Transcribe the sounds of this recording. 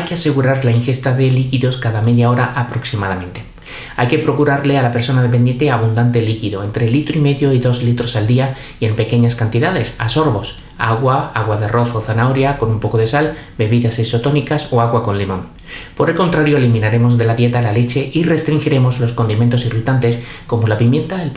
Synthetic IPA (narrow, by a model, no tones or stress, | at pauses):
ajke̞ase̞ɣuɾaɾlaiŋxe̞st̪aðe̞likiðo̞skaðame̞ðjao̞ɾaʔapɾo̞ksimað̞amẽ̞nt̪e̞ | a̰jke̞pɾo̞kuɾaɾle̞alape̞ɾso̞nað̞ep̬e̞nd̪je̞nt̪eaβund̪ant̪e̞likiðo̞ent̪ɾe̞lit̪ɾoime̞ðjo̞iðo̞zlit̪ɾo̞sald̪ia | ie̞mpe̞ke̞ɲaskant̪iðaðe̞sa̰so̞ɾβo̞s | a̰ɣwaaɣwaðe̞ro̞θo̞θanaoɾjako̞numpo̞ko̞ðe̞salbe̞βiðase̞so̞t̪o̞nikaso̞aɣwako̞nlimõ̞n | po̞ɾe̞lko̞nt̪ɾaɾjoelimĩnaɾe̞mo̞zðe̞laðjet̪alale̞t͡ʃe̞ʔire̞st̪ɾiŋxiɾe̞mo̞zlo̞sko̞nd̪iment̪o̞sirit̪ant̪e̞sko̞mo̞lapimjẽ̞nt̪ael